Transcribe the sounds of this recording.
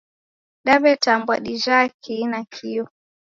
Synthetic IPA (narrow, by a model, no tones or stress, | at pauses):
ɗaβɛtambwaɗiʒakʰinakʰiɔ